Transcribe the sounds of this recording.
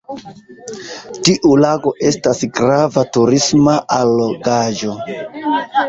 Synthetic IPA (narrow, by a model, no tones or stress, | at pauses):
tiʔulaɡo̞ʔe̞stasɡɾavatuɾismaʔalːoɡad͡ʒo̞